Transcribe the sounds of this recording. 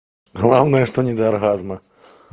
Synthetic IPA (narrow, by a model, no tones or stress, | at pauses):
ɣlˠawnɐjɛʂt̪ɔnʲɛd̪ɐɐrɣazmɐ